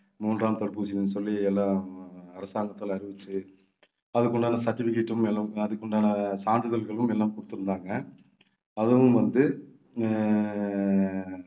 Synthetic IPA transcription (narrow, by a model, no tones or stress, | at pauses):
muːnraːmt̪ɔɭpuːsɪnɯnːsɔlːɪjɐɛlːãːɐɾɐsaːŋɡɐt̪ːɯlɐɾɪʋɯt͡ʃːɯ | ɐðɯkːɔɳɖaːnɐsɐʈːɪfɪkːeʈːɯmɛlːamɐðɯkːɔɳɖaːnɐsaːɳɖɯðɐlɣɐɭɯmɛlːaːmkɔɽɯ̥t̪ːɯɾɯnd̪aːŋɡɐ | ɐðɯʋɯmʋɐnd̪ɯ